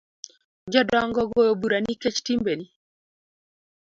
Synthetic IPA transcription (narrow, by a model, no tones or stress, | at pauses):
d͡ʒɔdɔaŋɡɔɡɔjobuɾaniket͡ʃtimbeni